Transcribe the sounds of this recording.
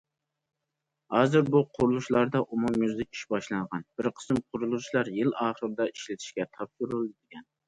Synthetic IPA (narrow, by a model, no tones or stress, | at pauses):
hɑːzɨɾbuqʰʊɾulˠuʃlˠɑɾd̪ɑʔumumːyzlɪkʲi̥ʃbɑʃlˠɑŋʁɑnb̥ɪɾqʰə̥sɨmqʰʊɾulˠuʃlˠɑɾjɪlɑːχəɾɨd̪ɑiʃlɪt̪ʰɪ̥ʃkʲɛt̪ʰɑpsuɾulˠɨd̪ɪɡʲɛn